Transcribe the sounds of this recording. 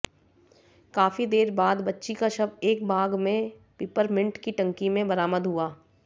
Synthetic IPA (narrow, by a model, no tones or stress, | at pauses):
kaːfid̪eːɾbaːd̪bɐtːʃikaʃɐbeːk̚bʱaːɡmẽ | pɪːpəɾmɪ̃ɳʈkiʈɐ̃ŋkimẽbɐɾaːməd̪ɦuaː